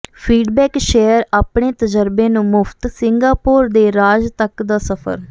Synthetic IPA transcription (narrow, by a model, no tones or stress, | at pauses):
pʰiːɖbɛːkʃeːəɾaːpɳ̃eːt̪əd͡ʒəɾbeːnũːmʊpʰt̪sɪŋɡaːpoːɾd̪eːɾaːd͡ʒt̪əkd̪aːsəpʰə̰ɾ